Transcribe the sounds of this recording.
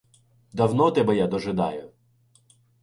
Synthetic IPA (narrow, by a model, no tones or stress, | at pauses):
d̪ɐwnɔt̪ɛbɛjad̪ɔʒɪd̪ɑ̰jʊ